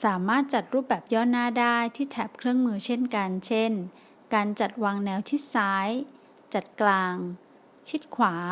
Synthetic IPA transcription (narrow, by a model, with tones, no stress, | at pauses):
saː˩˦maː˥˩t̪̚t͡ɕa˨˩t̪̚ɾuː˥˩p̚bɛː˨˩p̚jɔː˥˩naː˥˩daː˥˩jt̪ʰiː˥˩t̪ʰɛː˨˩p̚kʰɾɯ˥˩əŋmɯː˧t͡ɕʰe˥˩nka˧nt͡ɕʰe˥˩n | kaː˧nt͡ɕa˨˩t̪̚waː˧ŋnɛː˧wt̪ʰi˦˥˩saː˦˥j | t͡ɕa˨˩t̪̚klaː˧ŋ | t͡ɕʰi˦˥t̪̚kʰwaː˩˦